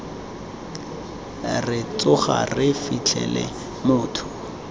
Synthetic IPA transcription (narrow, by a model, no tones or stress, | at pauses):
rɪt͡sʊχa̰rɪfit͡ɬʰɛlɛ | mʊːtʰʊ̥